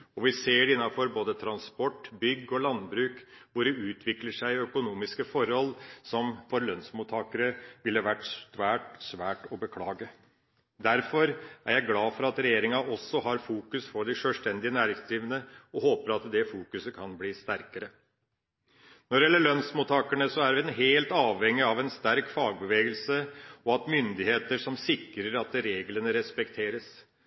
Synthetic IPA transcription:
ɔʋɪseːɖɪnːɑfɔɾboːd̪ət̪ʰɾɑnspɔʈːbʏɡːɔlɑnbɾʉːkʋʊɖɛʉːt̪ʰʋɪkləʂæɪœkʊnuːmɪskəfɔɾhɔlːsɔmfɔɾlœnsmʊt̪ʰɑːkəɾəʋɪlːəʋæʈːst̪ʋæːʈsʋæːʈɔbəkʰlɑːɡə | d̪æɾfɔɾæɾjæɪɡlɑːfɔɾɑt̪ɾɛjeːɾɪŋɑʔɔsːɔɦɑɾfuːkʉsfɔɖɪʂøːlst̪ɛnd̪ɪənæːɾɪŋsd̪ɾiːʋənəɔhoːpəɾɑt̪d̪ɛfuːkʉsəkʰɑnbliːst̪æɾkəɾə | nɔɖɪɛlːəɭœnsmut̪ɑːkəɳəsɔæɾʋɪɛnɦeːlt̪ɑːʋhɛŋːɪɑʋɛnst̪æɾkfɑːɡ̚bəʋeːɡəlsəɔɑt̪mʏnd̪ɪheːt̪əʂɔmsɪkːɾəɾɑt̪ɾeːɡlənəɾɛspɛkt̪ʰeːɾəs

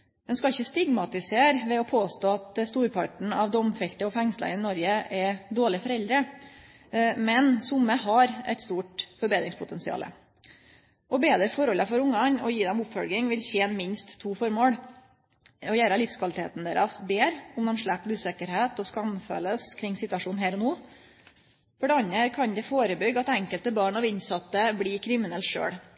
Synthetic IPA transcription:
d̪ɛnskɑɪçːəst̪ɪɡmɑt̪ɪseːɾʋɛɔpʰoːst̪oːɑt̪st̪uːɾpʰɑʈɳ̩ɑʋd̪ɔmfɛlt̪əɔfɛŋslə̰ɾɪnɔɾɡəʔɛd̪oːɭɪfɔɾɛld̪ɾə | mɛnsʊmːəhɑɾɛ̰ɪt̪st̪uːʈfɔɾbeːd̪ɾɪŋspʰʊt̪ʰɛnsɪɑ̰ːlə̰ | ʔɔbeːd̪ɾəfɔɾɔlːəfɔɾʊŋːɑnɔjiːd̪ɛmʊpfɔlɡɪŋʋɪlçeːnmɪnst̪ʰːuːfɔɾmoːɽ | ɔjæːɾəlɪfskʰʋɑlɪt̪ʰḛːt̪n̩d̪ḛːɾɑsbeːɾʊmd̪ɛmʂɭæpːʉːsɛkəɾheːt̪ɔskɑmfø̰ləskʰɾɪŋːsɪt̪ʉɑʂuːn̩ɦæːɾɔnuː | fɔɖɛɑɲːəɾkʰɑnd̪ɛfoːɾəbʏɡɑt̪ɛŋkəlt̪əbɑːɳɑʋɪnsɑt̪ːəbɽiːkʰɾɪmɪnɛlt̪ʂø̰ːɽ

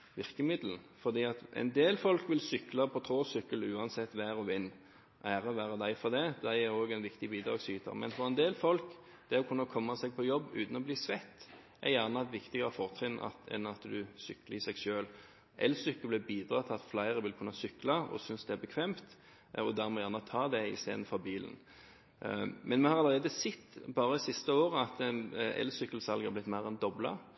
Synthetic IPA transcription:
ʋɪʁkəmɪd̪ln̩ | fɔʁd̪iːɑt̪ʔɛ̰ɪnd̪eːlfɔlkʋɪlsʏklɑpʰɔt̪ʰʁoːsʏkːəlʉːɑnsɛt̪ːʋæːʁɔʋɪnː | ʔæːʁəɔʋæːʁɑd̪æɪfɔd̪ɛd̪æɪæʁoːɡɛnʋɪkt̪ɪbiːd̪ʁɑ̰ːɡsyːt̪ʰə̰ʁmɛ̰nfɔʁɛnd̪eːlfɔlk | d̪̥ɛɔkʰʉnːəkʰɔmːɑsɛɡ̚pʰɔjɔbːʉ̰ːt̪n̩ɔbliːsʋɛt̪ː | ʔæ̰ʁjæʁnəɑt̪ʋɪkt̪ɪɡəʁəfɔʁt̪ʰʁɪnːʔɑ̰t̪ɛ̰nɑt̪d̪ʉsʏkːləɪsɛɡʃøːl | ʔɛ̰lsʏkːəblɛbiːd̪ʁɑːt̪ʰɪɑt̪flæɪʁəʋɪlkʰʉnːɑsʏklɑɔ̰sʏnsd̪ɛæbəkʰʋɛːmt̪ | ɔd̪æʁmɔjæːʁnət̪ʰɑːd̪ɛɪ̰st̪ḛːd̪n̩fɔbiːlə̰n | mɛnmɛhɑʁɑləʁeːd̪əsɛt̪ːbɑːʁəisɪst̪əoːɾəɑt̪ɛ̰lsʏkːəl̩sɑlɡæʁblɪt̪mæɪʁɛnd̪ɔblə̰

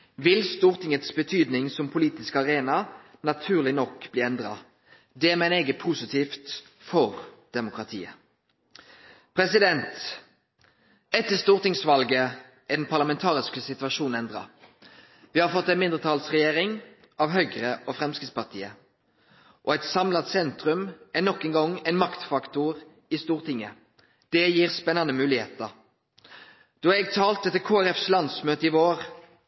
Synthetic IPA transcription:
ʋɪlst̪uːʁt̪ʰɪŋət̪sbət̪ʰyːd̪nɪŋsɔmpʰʊliːt̪ɪskɑʁeːnɑnɑt̪ʰʉːʁlɪnɔkːb̥liːɛnd̪ʁɑ̰ | d̪ɛmɛɪneːɡəpʰusɪt̪ʰiːft̪ | fɔʁd̪̥ɛmʊkʁɑt̪ʰḭːə | pʰʁɛsɪd̪ɛnt̪ | ɛt̪ːəst̪uːʁt̪ɪŋsʋɑlɡə | ʔɪd̪ɛnpʰɑʁlɑmɛnt̪ʰɑːʁɪskəsɪt̪ʋɑʃuːnn̩ɛnd̪ʁɑ̰ | ʋɪhɑʁfɔt̪ːɛɪnmɪnd̪ʁət̪ʰɑːlsʁɛjeːʁɪŋ | ɑʋɦœɡʁəɔfʁɛmskʁɪspɑʁt̪ʰḭːə | ʔɔɛɪt̪sɑmlɑt̪sɛnt̪ʁʉmæʁnɔkːɛŋɡɔŋːɛɪnmɑkt̪fɑkt̪ʊʁ | ɪst̪uːʁt̪ʰɪŋːə | d̪̥ɛjiːʁspɛnɑnəmʉːlɪheːt̪əʁ | d̪̥ɔːɛɡ̚t̪ʰɑːlt̪̚ɛt̪ːəkʰoːæʁɛfslɑnd̪smøːt̪əɪʋoːʁ

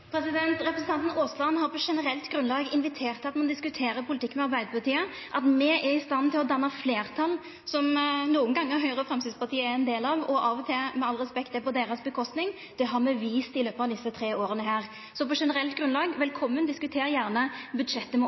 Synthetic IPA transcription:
pʰɾɛsɪd̪ɛnt̪ɾɛpɾɛsn̩t̪ɑnt̪n̩oːslɑnhɑɾpʰɔʂɛnəɾɛlt̪ɡɾʉnlɑːɡɪnʋɪt̪ʰeːʁt̪ɑt̪mɑnd̪ɪskʉt̪ʰeːɾəɾpʰʊlɪt̪ɪkːmɛɑɾbæɪd̪əpɑʁt̪iːə | ʔɑt̪mɛʔɛɾɪst̪ɑnt̪ʰɪlɔd̪ɑnːɑfleːʁt̪ʰɑl | sɔmnuːənɡɑŋːəɾɦœʏʁəfɾɛmsɪd̪spɑʁt̪ʰiːəɛɾɛnd̪eːlɑʋɔʔɑːʋɔt̪ʰɪlmɛɑlʁɛspɛkt̪ɛpɔd̪eːɾəsbəkʰɔst̪nɪŋ | d̪̥ɛɦɑʁmɛʋiːst̪ɪløːpəɑʋd̪ɪsːət̪ʰɾeːoːɾənəɦæːʁ | sɔpɔʂɛnəɾɛlt̪ɡɾʁʉnlɑːɡʋɛlkʰɔmːənd̪ɪskʉt̪ʰeːɾjæʁnəbʉd̪ʂɛt̪ːəm

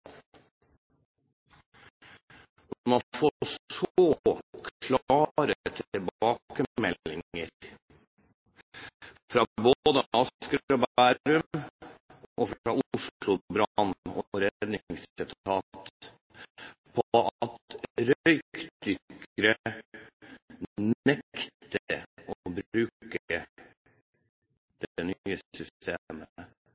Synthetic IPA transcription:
mɑfosoːkʰlɑːɾət̪ʰɛbɑːkəmɛlːɪəɾ | fɾɑːbod̪əɑskɾɾobæːɾʉm | ʔoːfɾɑʔʊʂlʊbɾɑɑnɔɾɛd̪nɪŋsɪt̪ʰɑːt̪ | pʰɔt̪ɾœʏkd̪ʏkɾə | nɛkt̪əɔbɾʉːkə | d̪̥ɛnyːəʏst̪emə

